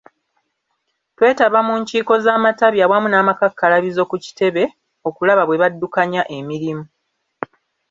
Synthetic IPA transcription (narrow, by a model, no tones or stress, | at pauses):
twe̞ːtaβamuːɲciːko̞zaːmataβjawamunaːmakakːalaβizo̞kuci̥te̞βe̞ | o̞kulaβaβwe̞βadːukaɲaʔe̞miɾimu